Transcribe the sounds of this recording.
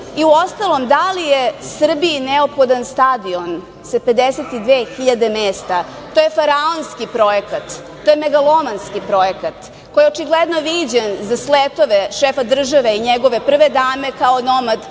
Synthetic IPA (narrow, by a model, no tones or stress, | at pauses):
iuo̞st̪alˠo̞md̪alijesr̩biːneopxo̞d̪anst̪ad̪ion | sape̞d̪eset̪id̪ʋeːxiʎad̪e̞meːst̪a | t̪ojefaɾaonskipɾo̞jekat̪ː | ojemeɡalˠo̞manskipɾo̞jekat̪ | kojeot͡ʃiɡled̪noʋiːd͡ʑenzaslet̪o̞ʋeʃefad̪r̩ʒaʋeiɲeɡo̞ʋe̞pr̩ʋed̪aːmekaono̞mad̪